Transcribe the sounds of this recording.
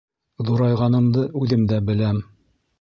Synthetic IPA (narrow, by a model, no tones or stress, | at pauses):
ðuɾɑjʁɑnɤ̆md̪ɤʔʉðɘmd̪æbɘ̆læm